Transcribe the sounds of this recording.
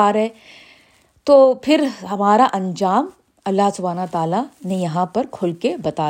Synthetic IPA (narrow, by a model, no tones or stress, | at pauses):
aːɾɦɛ | t̪oːpʰɪɾɦɐmaːɾaʔɐ̃ɲd͡ʒaːm | ɐlːaɦsʊbʱaːnt̪aːlanejɐɦãpɐɾkʰʊlkebɐt̪aː